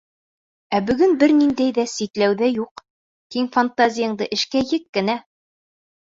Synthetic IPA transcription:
æbɵ̆ɡɵnbɘɾnind̪æjðæsit̪læwðæjuq | t̪iŋfant̪azʲijɤ̆ɴd̪ɤʔɘ̆ʃkæjɘkːɘ̆næ

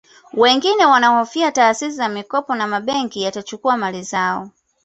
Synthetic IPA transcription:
wɛŋɡinɛwanahɔfiataːsis̬izamikɔpɔnamaɓɛŋkijatat͡ʃukuamalizaɔ̰

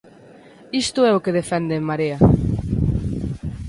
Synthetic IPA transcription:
ist̪ʊɛokeðefɛnd̪emːaɾeɐ

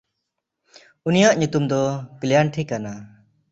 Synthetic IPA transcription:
unijaʔɲut̪umd̪ɔklijaɳʈʰikana

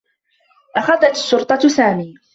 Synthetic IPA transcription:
ʔaxaðat̪ɪ̥ʃːʊɾt̪ˤɑsaːmiː

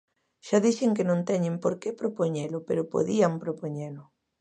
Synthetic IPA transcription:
ʃaðiθɪŋkɪnõnt̪ɛɲɪmpoɾkepɾopoɲelʊpeɾʊpo̰ðiampɾopoɲelʊ

